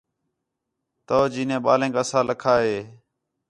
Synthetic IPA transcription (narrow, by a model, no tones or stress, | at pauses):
t̪oːd͡ʒiːnẽːɓaːlẽːkaːsãːləkʰaːɦeː